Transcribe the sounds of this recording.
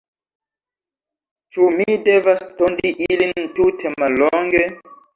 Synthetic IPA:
t͡ʃumidevastondiʔilintutʰemaloŋɡe

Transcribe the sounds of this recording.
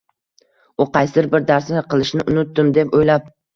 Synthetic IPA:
ʊqʰɑjsɪɾbɪɾd̪aɾsnɪqɨlˠɪʃnɪʔʊnʊt̪ːɪmd̪e̞pojlap̚

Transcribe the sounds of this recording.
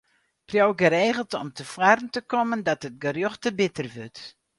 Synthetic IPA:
prjowɡəɾeːɣəlˠtɔ̰mtʰəfwarn̩təkɔməndɑtət̚ɡərjoxtəbɪtərʋøt

